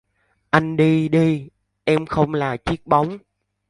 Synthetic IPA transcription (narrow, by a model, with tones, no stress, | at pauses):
ʔa˧jŋ̟ɗi˧ɗi˧ | ʔɛ˧mxə˧wŋ͡mlaː˨˩t͡ɕi˦˥ək̚ɓa˨˦wŋ͡m